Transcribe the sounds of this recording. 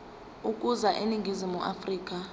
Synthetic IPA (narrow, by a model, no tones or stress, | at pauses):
ukʼuzaʔeniŋɡʱizimuʔafriːk̬ʼa